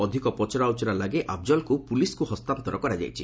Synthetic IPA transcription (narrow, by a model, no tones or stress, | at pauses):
ɔd̪ʱikɔpɔt͡ʃɔɾawt͡ʃɔɾalaɡeʔʔab̚d͡ʒɔlkupuliskuhɔst̪ant̪ɔɾɔkɔɾad͡ʒa̰jt͡ʃʰḭ